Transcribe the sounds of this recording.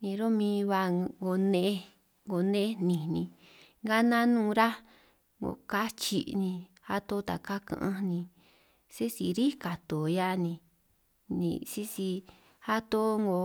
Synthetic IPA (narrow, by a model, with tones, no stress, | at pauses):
nĩ˧ɾo˦mĩː˧βa˧ŋɡo˧nẽ˧˦ | ŋɡo˨nẽ˦nĩ˨nĩ˧ | ŋɡa˦nã˦nũː˦˧ɾa˦ | ŋɡo̰˨˧˨ka˦t͡ʃḭ˧nĩ˧ | ha˦t̪o˦t̪a˨ka˦kã̰˧˨ʔã˧nĩ˧ | si˦si˧ɾi˦ka˨t̪o˨ja˦nĩ˧ | nḭ̃˧si˦si˧ | ha˦t̪o˦ŋɡo˧